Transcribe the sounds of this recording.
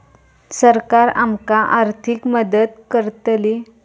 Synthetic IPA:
səɾkaɾamkaʔaɾt̪ʰikməd̪əd̪kəɾt̪li

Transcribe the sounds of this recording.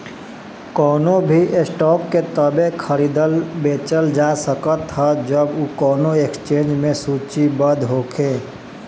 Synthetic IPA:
kɔːnobʱiʔesʈɔːkːet̪əbẽkʰəɾiːd̪əlbeːt͡ʃəld͡ʒasəkət̪ɦəd͡ʒəbukɔːnoekst͡ʃẽːnd͡ʒmẽsuːt͡ʃibəd̪ʱɦoːkʰeː

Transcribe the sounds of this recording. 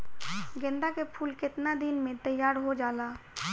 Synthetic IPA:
ɡɛ̃nd̪akepʰuːlkɪt̪nad̪ɪnmẽt̪əjːaːɾɦod͡ʒaːlaː

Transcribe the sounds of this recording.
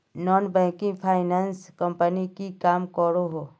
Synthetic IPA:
nɔːnbɛ̃ːkɪ̃ŋɡpʰaːɪnaːnskɐ̃mpənikikaːmkɔɾoɦoː

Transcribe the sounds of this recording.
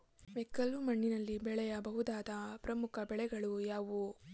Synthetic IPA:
ʋɛkːɐlumɐɳːinɐlːibɛɭɛjɐbɐɦud̪aːd̪ɐpɾɐmukʰɐbɛɭɛɡɐɭujaːʋu

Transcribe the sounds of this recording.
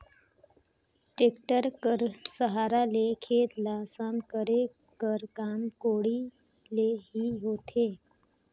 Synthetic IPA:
ʈeːkʈəɾkəɾsəɦaːɾalekʰeːt̪lasamkəɾe | kəɾkaːmkoːɽi | leɦiɦoːt̪ʰeː

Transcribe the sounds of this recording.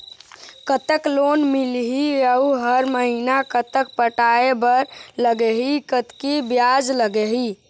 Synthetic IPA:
kət̪əklonmilɦiəuɦəɾməɦinakət̪ək̚pəʈaebəɾləɡeɦikət̪kibjad͡ʒləɡeɦi

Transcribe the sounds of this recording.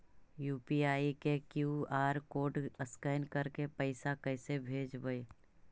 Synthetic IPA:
juːpiaːikekjuːaːɾkoːʈəskəːɪnkəɾkepəɪsakɛɪsebʱeːd͡ʒbəe

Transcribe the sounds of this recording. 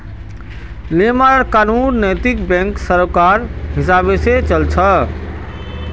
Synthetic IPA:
lemaɾkanunːəjt̪ikbɛ̃ŋksəɾkaɾɦɪsabeset͡ʃəlt͡ʃʰə

